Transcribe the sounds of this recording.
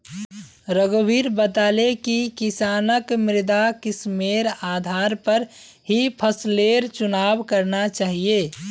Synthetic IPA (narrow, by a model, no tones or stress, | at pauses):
ɾəɡobʱiːɾbət̪aːlekikɪsaːnəkmɪɾɪd̪akɪsmeːɾaːd̪ʱaːɾpəɾ | ɦipʰəsleːɾt͡ʃʊnaːbkəɾnat͡ʃaːɦijeː